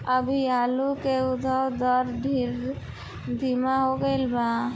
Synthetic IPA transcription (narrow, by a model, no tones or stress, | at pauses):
əbʱiaːlukeud̪ʱəd̪ɔɾɖʱiɾ | d̪ʱimaɦoɡəɪlba